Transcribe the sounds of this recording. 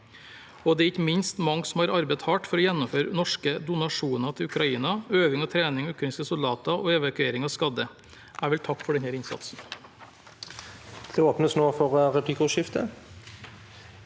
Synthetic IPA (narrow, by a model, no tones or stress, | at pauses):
ɔd̪ɛɾɪçəmɪnst̪mɑŋːsɔm̩hɑːɾɑɾbɛɪt̪hɑʈfɔɾɔjɛnːɔmføːɾənɔʂkəd̪ʊnɑʂuːnɑt̪ʰɪlʉkɾɑiːnɑøːʋɪŋɔt̪ʰɾeːnɪŋʉkːnɪskəsʊld̪ɑːt̪ɑʔoːɛʋɑkʉeːɾɪŋɑʋskɑd̪ə | ʔæːʋɛlt̪ʰɑkːfɔɖɛnhæːɾɪnsɑ̰t̪sn̩ | d̪̥ɛoːpnəsnoːfɔʁʁɛpʰlɪkʊʃɪft̪ə